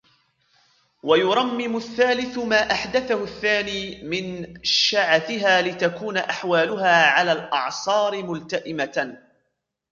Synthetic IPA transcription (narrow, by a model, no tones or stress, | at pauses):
wajʊɾˤɑmːɪmʊθːaːlɪθʊmaːʔaħd̪aθahʊθːaːniːmɪnʃaʕaθɪɦaːlɪt̪akuːnaʔaħwaːlʊɦaːʕalaːlʔɑ̰ʕsˤɑːɾɪmʊlt̪aʔɪma